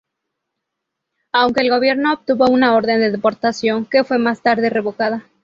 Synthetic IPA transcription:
awŋke̞ːlɣo̞βje̞ɾno̞ːp̚t̪uβo̞unao̞ɾðe̞nd̪eðepo̞ɾt̪asjo̞ŋke̞fwe̞mast̪aɾðere̞βo̞kað̞a

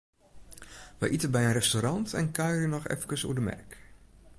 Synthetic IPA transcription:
ʋə̰ʔitənbɛjənrɛstoɾɑntɛ̰nkœɥjrənɔχɛ̰fkəsṵdəmɛ̰rk

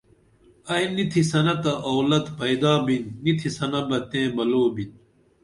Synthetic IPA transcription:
ɐjnit̪ʰisɐnɐt̪ɐʔowlɐt̪pɐjd̪aːbinːit̪ʰisɐnɐbɐt̪ẽːbɐloːbin

